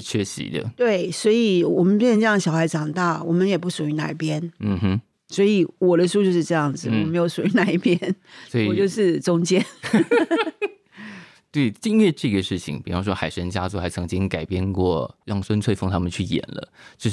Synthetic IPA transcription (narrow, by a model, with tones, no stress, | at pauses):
ʂɻ̩˥˧t͡ɕʰɥɛ˥ɕḭ˧˦d̪ə̰˦t̪we˥˩ɪswɔ˧˥i˨wɔ˨˩mə˦np̬jnʂə˧ŋʈ͡ʂjɑ˥˧˩ɕjɑ˨ʊxa˧˥ɪʈ͡ʂɑ˨˩ŋt̪a˥˩wɔ˨˩mə˦njɛ˨˩pu˥˩ʂu˨˩y˧˥na̰˧˩i˥˩pjɛ˥nm̩˥˧˩m̩˥ | swɔ˧˥i˨˩wɔ˨˩d̪ə˦ʂu˥t͡ɕjo˥˧ʊʂ̬ɻ̩˧ʈ͡ʂɤ˥˧jɑ˥˩ŋd͡zɹ̩˩wɔ˨˩me˧˥ɪjo˧˥ʊʂu˨˩y˧˥na˥˧i˥˩pjɛ˥nswɔ˧˥i˨ɔ˨t͡ɕjo˥˧ʊʂɻ̩˥˩ʈ͡ʂʊ˥ŋt͡ɕjɛ˥n | t̪we˥˩ɪt̪i˥˧nɥɛ˥˧ʈ͡ʂɤ˥˧˩ɡə˩ʂɻ̩˥˩t͡ɕʰḭ˨˦ŋpi˨˩fɑ˥ʊʂ̬wɔ˥xa˨˩ɪʂə˧˥nt͡ɕja˥t͡su˥˩xa˧˥t͡sʰɤ˧˥ŋt͡ɕi˥ŋka˨˩ɪpjɛ˥nkwɔ˥˩ɻɑ˥˩ŋswə˥nt͡sʰwe˥˧ɪfɑ˥˩ŋt̪ʰa˥mə˨t͡ɕʰy˥˩jɛ̰˨˩nlə̰˦t͡ɕjo˥˧˥